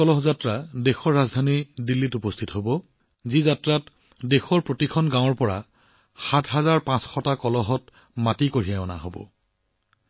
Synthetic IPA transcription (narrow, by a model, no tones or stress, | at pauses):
ɔlɔɦɔzatɹadexɔɹːazdʱanidilːitupɔstʰitɦobɔ | zizatɹat | dexɔɹpɹotikʰɔnɡãw̃ɔɹpɔɹa̰ | xatʰɦazaɹpãsxɔtakɔlɔɦɔt | matikoɹijaɔna̰ɦobɔ̰